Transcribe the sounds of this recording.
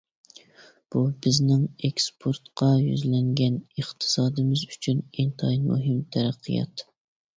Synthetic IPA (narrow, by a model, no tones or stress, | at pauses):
b̥ubɪznɪŋekspʰoɾt̪qʰɑjy̰zlɛŋɡʲɛnəχt̪ʰɨ̥sɑːd̪ɨmɪzyt͡ʃʰynint̪ʰɑimo̰ɦɪmt̪ʰæɾæqʰːijɑ̰t̪